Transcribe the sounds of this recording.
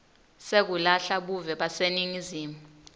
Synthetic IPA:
sek̬ulaɬaɓuvɛɓaseniŋiziːmu

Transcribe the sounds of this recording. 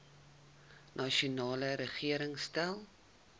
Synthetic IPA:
nʔɑʃunɑːləɾəχiəɾəŋstælˠ

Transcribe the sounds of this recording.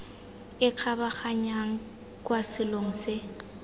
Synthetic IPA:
ɪq͡χʰabaχaɲaŋ̩ | kʼwasɪloŋ̩sɪ

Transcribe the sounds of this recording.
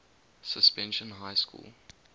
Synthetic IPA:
səspɛ̃nʃə̃nɦaɪskṵːlˠ

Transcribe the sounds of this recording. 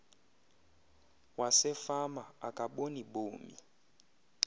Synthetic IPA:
wasɛfamaakʼaɓoniɓoːmḭ

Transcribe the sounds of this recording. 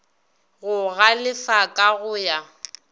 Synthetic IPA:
ɣʊɣalɪfakʼaɣʊja

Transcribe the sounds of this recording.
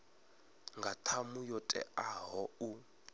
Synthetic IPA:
ŋɡʱatʰamujɔtʼɛ̰ʔaɦɔu

